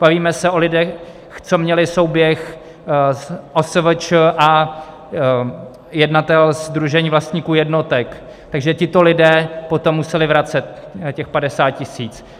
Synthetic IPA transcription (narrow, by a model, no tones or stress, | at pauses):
b̥aviːmɛsɛʔo̞lɪdɛ | xt͡so̞mɲɛlɪso̞wbjɛx | ʔosəvət͡ʃəʔa | jɛdnat̪ɛlzd̪ɾuʒɛɲiːvlast̪ɲiːkuːjɛdno̞t̪ɛk | t̪aɡʒɛcɪt̪o̞lɪdɛːpot̪o̞mːusɛlɪvɾat͡sɛt̪̚ | cɛxpadɛsaːt̪̚cɪsiːt͡s